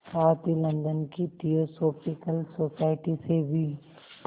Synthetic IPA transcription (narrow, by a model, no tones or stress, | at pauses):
ɔːɾt̪ilɐ̃nd̪ənkiʈiosoːpɪkəlsoːsaːɪʈisebʱi